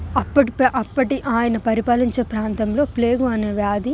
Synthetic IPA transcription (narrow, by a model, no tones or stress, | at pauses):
ɐpːɐʈpʔɐpːɐʈiʔaːjɐnɐpɐɾipaːliɲt͡ʃe̞ːpɾaːnt̪ɐmlo̞ːple̞ːɡuɐneːʋjaːd̪i